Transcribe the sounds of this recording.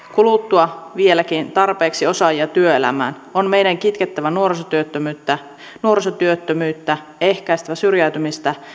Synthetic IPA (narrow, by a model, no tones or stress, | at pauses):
kulut̪ːuɑʋielækint̪ɑrpeːksiosɑjiɑt̪yøelæ̰mæ̰ːn | onme̞jdæŋkit̪ket̪ːæʋænuorsot̪yøt̪ːømyt̪ːæ | nuoɾsot̪yøt̪ːømyːt̪ːæ | e̞hkæist̪æʋæsyrjæyt̪ymist̪æ